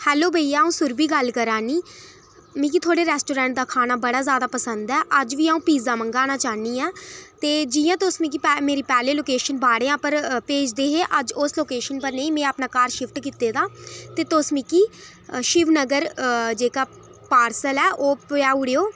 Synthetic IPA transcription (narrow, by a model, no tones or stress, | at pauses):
hɛːloːbʱəiaːũːsʊɾbiːɡəlkəɾaːniː | mĩːkit̪ʰoːɽeːɾɛːsʈoːɾɛ̃ːɳʈ̚d̪aːkʰaːnaːbəɽaːzjaːd̪aːpəsənd̪ɛːʔəd͡ʒʋiːaũːpiːzaːməŋɡaːnaːt͡ʃaːniːɛːt̪eːd͡ʒijãːt̪osmĩːk̬iːɛmeːɾiːpɛːleːloːkeːʃənbaːɽeːãːpəɾpeːd͡ʒd̪eːɦeːʔəd͡ʒʊsloːkeːʃənpəɾneĩːmɛ̃ːapnaːkaːɾʃɪpʰʈkiːt̪eːd̪aːt̪eːt̪osmĩːkiː | ʃɪʋnəɡəɾd͡ʒeːkaː | paːɾsəlɛːʔoːpaːʊɽeːoː